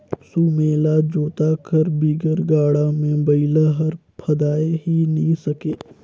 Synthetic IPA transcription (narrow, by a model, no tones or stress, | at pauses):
suːmeːlad͡ʒoːt̪akʰəɾbiːɡəɾɡaːɽamẽbɐɪlaɦəɾpʰɐd̪aːeɦinĩsɐkeː